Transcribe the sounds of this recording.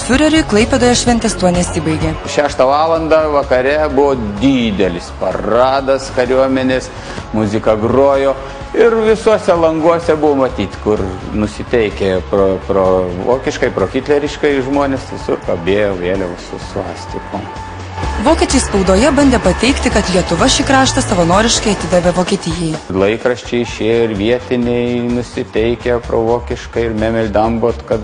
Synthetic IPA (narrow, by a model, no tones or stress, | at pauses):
fʲʊɾʲɛɾʲʊɪklˠɐɪpʲed̪oːjɛʃʲʋʲɛnʲt̪ʲɛst̪uɔnʲɛsiːbɐɪɡʲeːʃʲæːʃt̪ɐʋɑːlˠɐnd̪ɐʋɐkɐɾʲɛbʊʋoːd̪ʲiːd̪ʲɛlʲɪspɐrɑːd̪ɐskɐɾʲuɔmʲɛnʲeːs | mʊzʲɪkɐɡroːjoː | ɪrʋʲɪsuɔsʲɛlˠɐŋɡuɔsʲɛbʊʋoːmɐt̪ʲiːt̪ʲkʊrnʊsʲɪt̪ʲɛɪkʲepɾoːpɾoːʋo̰ːkʲɪʃkɐɪpɾoːkʲiːt̪lʲɛɾʲɪʃkɐɪʒmoːnʲesʋʲɪsʊrkɐbʲeːjoːʋʲeːlʲɛʊsʊsʊɑːsʲt̪ʲɪkom | ʋoːkʲiːt͡ʃʲɛɪspɐʊd̪oːjɛbɐnʲd̪ʲeːpɐt̪ʲɛɪkt̪ʲɪkɐt̪lʲiɛt̪ʊʋɐʃʲiɪkɾɑːʃt̪ɐsɐʋɐnoːɾʲɪʃkɐɪɐt̪ʲɪd̪ɐʋʲeʋoːkʲiɛt̪ʲɪjɛjlˠɐɪkɾɐʃʲt͡ʃʲɛɪɪʃʲeːjoɪɾʋʲiɛt̪ʲɪnʲɛɪnʊsʲɪt̪ʲɛɪkʲɛpɾo̰ːʋoːkʲɪʃkɐɪɪɾmʲæːmʲɛlʲd̪ɐmbot̪kɐt̪